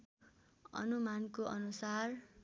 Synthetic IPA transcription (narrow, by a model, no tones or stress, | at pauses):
ʌ̰numankoʔʌnusar